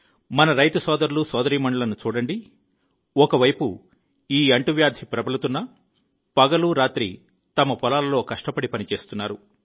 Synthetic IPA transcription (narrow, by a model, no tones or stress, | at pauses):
mɐnɐɾɐjt̪ɐsɔːd̪ɐɾulusɔːd̪ɐɾiːmɐɳɖɐlɐnut͡ʃuːɽɐɳɖi | ɔkɐʋɐjpṵ | iːɐɳʈuʋjaːɾd̪ʱʰipɾɐbɐlɐt̪unːɐ | pɐɡɐluɾaːt̪ɾḭ | t̪ɐmɐpɔlaːlɐlo̞ːkɐʂʈɐpɐɽipɐnit͡ʃe̞ːst̪unːaːɾu